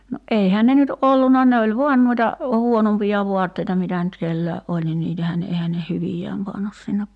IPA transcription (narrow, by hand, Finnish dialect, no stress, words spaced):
no ʔeihæː ne nyt ʔolːunɑ ne olʲ ʋuɑn nuitɑ huonompijɑ ʋuɑtːeitɑ mitæ nyt kelːæeʔ ʔolʲ ni niːtæhæː ne ehæ ne hyʋijæːm pɑnːus sinːe